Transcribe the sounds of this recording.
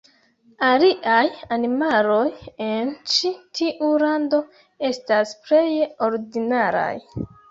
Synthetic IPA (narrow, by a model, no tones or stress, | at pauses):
aliʔajanimalo̞je̞nt͡ʃitʰiʔuɾando̞ | e̞stasple̞jo̞ɾdinaɾa̰j